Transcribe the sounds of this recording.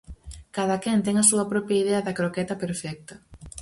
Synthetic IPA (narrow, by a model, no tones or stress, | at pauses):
kaðɐkɛnt̪ɛŋɐsuɐpɾɔpɾjaiðeɐðɐkɾokɛt̪ɐpeɾfɛk̚t̪ɐ